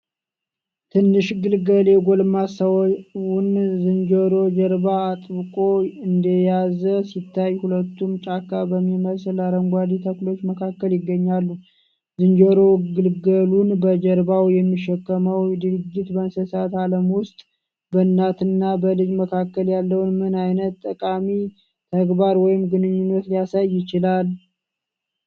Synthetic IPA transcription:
t̪ʰɨnːɨʃɡɨlɡəljɛɡo̞lmasawwʊnzɨnd͡ʒəɾo̞d͡ʒəɾbaːt̪ʼβɨkʼo̞ɨnd̪əjazəsit̪ʰːajhulət̪ːumt͡ʃʼakːabəmːiməslaɾəŋɡʷad̪it̪ʰəklo̞t͡ʃːməkʰakːəljɪɡːəɲːalːu | zɨnd͡ʒəɾo̞ɡɨlɡəlunbəd͡ʒəɾbawjɛmːiʃɛkːəməwd̪ɨɾɨd͡ʒːɪt̪bənsəsat̪aləmwʊst̪ʼ | bənːat̪ɨnːabəlɨd͡ʒməkʰakːəljalːəwnmɨnajnət̪ːəkʼami | t̪ʰəɡbaɾwɔjɪmɡɨnɨɲːunːət̪lijasajːɪt͡ʃɪlal

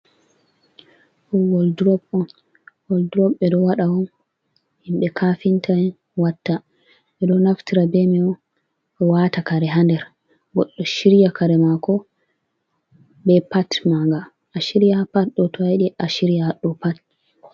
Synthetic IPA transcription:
ʔɔwɔldɾɔbɔn | wɔldɾɔbːɛdɔwaɗawɔn | himɓɛkʰafintan | watːa | ɓɛɗɔnaftiɾabɛmɛɔ | ɔwatakaɾɛɦandɛɾ | ɡɔɗːɔʃiɾjakaɾɛmakɔ | bɛpatmaŋɡa | ʔaʃiɾijapat̚ɗɔtɔajɗiʔaʃiɾijaɗɔpat̚

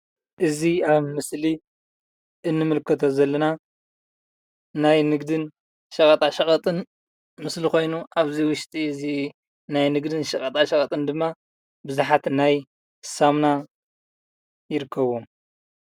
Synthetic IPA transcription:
ʔɨziaβmɨsli | ʔɨnːɨmɨlkʰːɐt̪ʰo̞zɐlːɐna | najnɨɡd̪ɨn | ʃɐkʼɐt̪ʼaʃɐxʼɐt̪ʼɨn | mɨslixo̞jnuʔaβziwʊʃt̪ʼizi | najnɨɡd̪ɨnʃɐkʼɐt̪ʼaʃɐkʼɐt̪ʼɨnd̪ɨmːa | bɨzuħat̪naj | samna | jɪɾɨkʰːɐβom

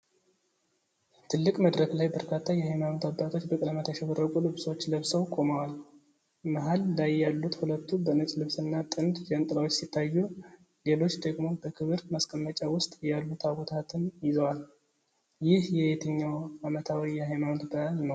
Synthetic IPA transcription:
t̪ʰɨlːɨkʼməd̪ɾəklajbəɾkʰat̪ʰːajɛhajmanot̪ʰabːat̪ʰo̞t͡ʃːbəkʼɨləmət̪ʰajʃɛβərːəkʼulɨβso̞t͡ʃːləβsəwkʼo̞məwal | məɦalːajːalːut̪hulət̪ʰːubənət͡ʃʼlɨβsɨnːat̪ʼɨnd̪d͡ʒɛnt̪ʼlawot͡ʃːsit̪ʰːajːu | ɡelo̞t͡ʃːd̪əɡmo̞bəkʰɨβɨɾmaskʼəmːət͡ʃʼawʊst̪ʼjalːut̪ʰaβot̪ʰat̪ʰɨnjɪzəwal | jɪhjɛhet̪ʰəɲːawamət̪ʰawijɛhajmanot̪bəhalnəw

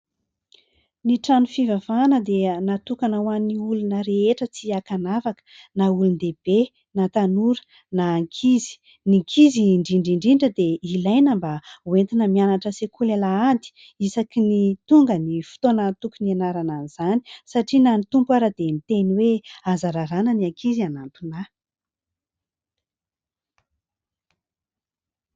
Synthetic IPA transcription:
niʈ͡ʂanufivavanəd̪enat̪ukanawaniulunəɾeeʈ͡ʂət͡siakanavakə̥naulund̪eb̥e | nat̪anuɾə̥ | naːŋkʰizi̥ | niŋkʰiziɳɖ͡ʐiɳɖ͡ʐiɳɖ͡ʐiɳɖ͡ʐəd̪eilajnəmbawent̪inəmianaʈ͡ʂəsekʰulelaand̪i̥ | isakinit̪uŋɡənifi̥t̪onət̪ukunienaɾananiz̥ani̥saʈ͡ʂinanit̪umpaɾad̪enit̪eniweazaɾaɾanəniaŋkʰizianant̪una

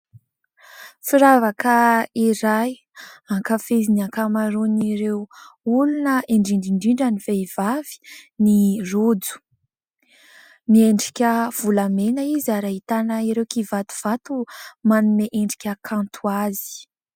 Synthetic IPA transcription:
fiɾavakəiɾaj | aŋkəfeziniaŋkamaɾoniɾewulunəeɳɖ͡ʐiɳɖ͡ʐiɳɖ͡ʐiɳɖ͡ʐaniveivavi̥nirod͡zu̥ | mieɳɖ͡ʐi̥kʲəv̥ulamenəizaɾaɦit̪anəiɾewkivat̪u̥v̥at̪umanumeʔeɳɖ͡ʐi̥kʲəkʰãnt̪ʰuazi̥

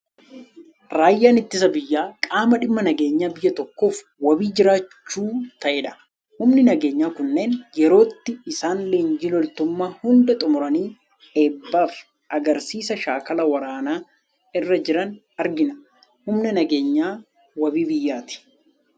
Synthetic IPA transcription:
ɾaːjːaːnɪt̪ːɪs̬ɐbɪjːaːkʼaːmɐᶑɪmːɐnɐɡe̞ːɲːaːbɪjːɐt̪ɔkːo̞ːf | wɐbiːd͡ʒɪɾaːt͡ʃːuːt̪ɐʔɛᶑɐ̥ | hʊmnɪnɐɡe̞ːɲːaːkʊnːe̞ːnjɛɾo̞ːt̪ːɪːsaːnleːnd͡ʒɪlɔlt̪ʊmːaːhʊnd̪ɐt̪ʼʊmʊɾɐniː | eːbːaːf | ʔɐɡɐɾsiːsɐʃaːkɐlɐwɐɾaːnaː | ɪrːɐd͡ʒɪɾɐn | ɐɾɡɪnɐ | hʊmnɛnɐɡe̞ːɲːaː | wɐbiːbɪjːaːt̪ɪ̥

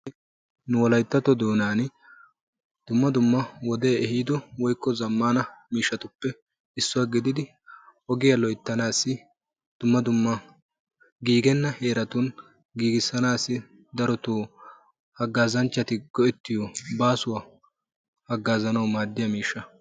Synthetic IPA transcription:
nʊwɔlɐjt̪ːɐt̪ɔd̪oːnaːn | d̪̥ʊmːɐd̪ʊmːɐwɔd̪eːɛhiːd̪ɔwɔjkːɔzɐmːaːnɐmiːʃːɐt̪ʊpːɛ | ɪsːʊwaɡɪd̪ɪd̪ɪ | ʔɔɡɪjɐlɔjt̪ːɐnaːsːɪ | d̪̥ʊmːɐd̪ʊmːɐ | ɡiːɡɛnːɐhe̞ːɾɐt̪ʊn | ɡiːɡɪsːɐnaːsːɪ | d̪ɐɾɔt̪uː | hɐɡːaːzɐnt͡ʃːɐt̪ɪɡɔʔɛt̪ːɪjɔbaːsʊwɐ | hɐɡːaːzɐnɐwmaːd̪ːɪjɐmiːʃːɐ

